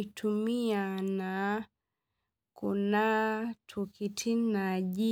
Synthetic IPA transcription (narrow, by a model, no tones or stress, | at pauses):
tʰumiana | kunatʰukitʰinaʄi